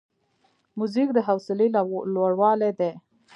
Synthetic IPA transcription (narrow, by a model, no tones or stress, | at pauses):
muzik̚d̪əɦawsɪlelwaɽwɑled̪e